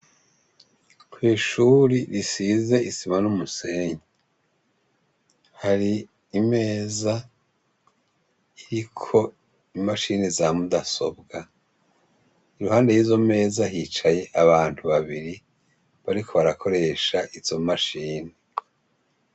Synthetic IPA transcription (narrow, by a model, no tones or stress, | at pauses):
kwiːʃuːɾiɾisize̞isimanumuse̞ːɲi | haɾiː | me̞ːza | iɾikʰo̞ | imaʃiːnezamudaso̞̰bɡa | iɾuhaːnde̞jiːzo̞me̞ːzaɦiːt͡ʃaje̞ʔaβaːntuβaβiɾi | βaɾikʰo̞βaɾakʰo̞ɾe̞ːʃaʔiz̥o̞maʃiːne